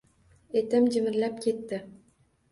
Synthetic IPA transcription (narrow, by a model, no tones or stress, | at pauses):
et̪ɪmd͡ʒɪmɪɾlapkʲʰe̞t̪ːɪ